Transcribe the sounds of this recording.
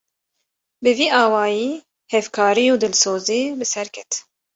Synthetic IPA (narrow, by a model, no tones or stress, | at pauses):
bɨviːʔɑːwɑːjiː | hɛvkʰɑːɾijuːd̪ɨlsoːziːbɨsɛɾkʲʰɛt̪